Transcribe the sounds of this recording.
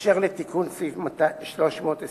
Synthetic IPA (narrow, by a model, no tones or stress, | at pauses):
ʃeʁlet̪ikʰunsifmat̪aʃloʃmoːt̪e